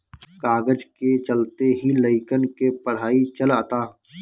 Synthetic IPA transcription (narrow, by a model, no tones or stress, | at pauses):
kaːɡəd͡ʒket͡ʃəlt̪eɦiləɪkənkepəɽ̤aːit͡ʃəlaːt̪aː